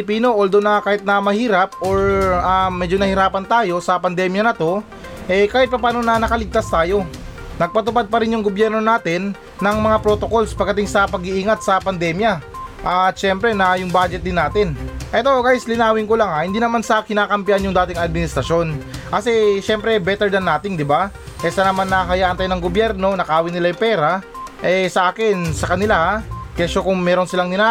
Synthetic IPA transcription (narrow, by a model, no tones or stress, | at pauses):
piːno̞ʔold̪onɐkaːhɪt̪̚nɐmɐhiːɾɐp̚ʔoɹɐmɛd͡ʒo̞nɐhɪɾaːpɐnt̪aːjo̞sɐpɐnd̪ɛːmjɐnɐt̪o̞ | ʔɛkaːhɪt̪̚pɐpaːno̞nɐnɐkɐlɪɡ̚t̪ast̪aːjo̞ | nɐɡ̚pɐt̪ʊpad̪̚pɐɾɪnjʊŋɡobjɛɾno̞naːt̪ɪnː | ɐŋmɐŋapɾo̞t̪o̞ko̞lspɐɡ̚ɐt̪ɪŋsɐpɐɡɪʔiːŋɐt̪̚sɐpɐnd̪ɛːmjɐʔat̪ʃɛmpɾɛnɐjʊŋbaːd͡ʒɛt̪̚d̪ɪnːaːt̪ɪnʔɛt̪oʔɡajslɪnaːwɪŋkolaŋahɪnd̪iːnɐmanskɪnaːkɐmpɪʔanjʊŋd̪aːt̪ɪŋɐd̪̚mɪnɪst̪ɾɐʃo̞nkɐsɛʃɛmpɾɛbɛt̪ɛɹd̪ɐnːaːt̪ɪŋd̪ɪba | ʔɛsɐnɐmanːɐɦɐjaːʔɐnt̪aːjonɐŋɡobjɛɾno̞nɐkɐaːwɪnɪlajʊpɛːɾa | ʔɛsɐʔaːkɪnsɐkɐnɪlahakɛsokʊŋmɛːɾo̞nsɪlaŋnɪna